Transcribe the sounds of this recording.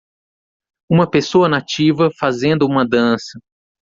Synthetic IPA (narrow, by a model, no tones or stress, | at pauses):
ũmɐpesoɐnat͡ʃivɐfazẽnd̪ʊũmɐd̪ɐ̃sɐ